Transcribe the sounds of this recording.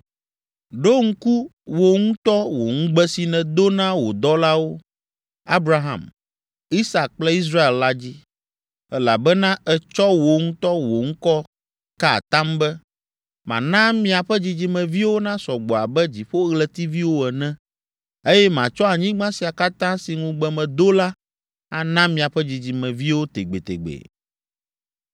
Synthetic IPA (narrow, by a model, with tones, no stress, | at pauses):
ɖo˦ŋ̩˦ku˦wo˨ŋũ˦t̪ɔ˦wo̰˨ŋũ˦ɡ͡bɛ˦si˨nɛ̃˨d̪o˦nã˦wo˨d̪ɔ˦la˦wo˦ | a˦bɾa˦ɦã̰˨m | i˦sa˨k̚k͡plɛ˦i˦s̬ɾa˦e˨lla˦d͡ʑi˦ | ɛ˦la̰˨bɛ˦nã˦ɛ˨t͡ʃɔ˦wo˨ŋũ˦t̪ɔ˦wo˨ŋ̩̃˦kɔ˦ | ka˦a̰˨t̪ã˦mbɛ˦ | mã̰˨nã˦mĩ˨˦a˨ɸɛ˦d͡ʑi˨d͡ʑi˨mɛ̃˨vi˦wo˦nã˦sɔ˨ɡ͡bɔ˨a˨bɛ˦d͡ʑi˨ɸo˦ɣlɛ˨t̪i˦vi˦wo˦ɛ˨nɛ̃˦ | e˦jɛ˦mã˨t͡ʃɔ˦a˨ɲĩ˦ɡ͡bã˦si˨a˨ka˦t̪ã˦si˨ŋũ˦ɡ͡bɛ˨mɛ̃˨d̪o˦la˦ | a̰˨nã˦mĩ˨a˨ɸɛ˦d͡ʑi˨d͡ʑi˨mɛ̃˨vi˦wo˦t̪e˨ɡ͡be˨t̪ḛ˨ɡ͡bḛ˨